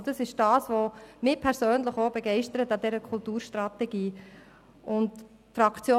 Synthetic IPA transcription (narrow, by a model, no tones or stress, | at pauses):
d̥ɑsɪʃd̥ɑːsʋomɪpʰɛɾsøːnləχobɛɡɛɪʃtəɾətɑd̪ɛɾəkʰʊltuːɾʃtɾɑt̪ɛɡiː | ʔʊnt | fɾɑkt͡sjo